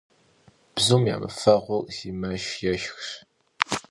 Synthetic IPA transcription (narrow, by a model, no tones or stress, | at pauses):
b̥zumja̰ːmɨ̰fɐʁʷʊziːmɐʃjɛʃxɕ